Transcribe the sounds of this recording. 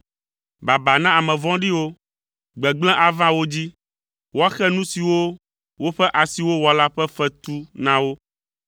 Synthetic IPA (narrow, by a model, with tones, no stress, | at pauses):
ba˨ba˨nã˦a˨mɛ̃˨vɔ̃˦ɖi˦wo˦ | ɡ͡bɛ˨ɡ͡blɛ̃˦ʔa˨vã˦wo˦d͡ʑi˦ | wo˦a˦xɛ˦nũ˦si˨wo˦ | wo˦ɸɛ˦ʔa˨si˨wo˦wɔ˨la˦ɸɛ˦fɛ˦t̪u˦nã˦wo˦